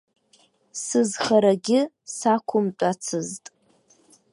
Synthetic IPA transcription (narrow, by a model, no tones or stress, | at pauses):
sɨzχaɾaɡʲɪ | sakʷʰʊmt͡pʷʼat͡sʰɨztʼ